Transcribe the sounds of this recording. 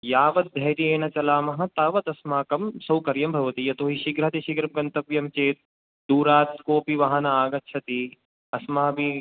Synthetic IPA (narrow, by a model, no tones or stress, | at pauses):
jaːʋɐt̪̚d̪ʱɐɦjɾieːnɐt͡ʃɐlaːmɐɦɐt̪aːʋɐt̪ɐsmaːkɐmsɐwkɐɾjɐmbʱɐʋɐt̪ijɐt̪oːɦiʃiɡɾɦɐt̪iʃiɡɾɐmɡɐnt̪ɐʋjɐmt͡ʃeːt̪̚ | d̪uːɾaːt̪koːpiʋɐɦɐnɐaːɡɐtːʃʰɐt̪i | ɐsmaɦɐbi